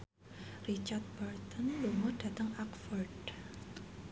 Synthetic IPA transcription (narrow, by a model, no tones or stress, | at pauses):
rit͡ʃart̪̚bart̪ɔnluŋʊd̥at̪əŋakfɔrd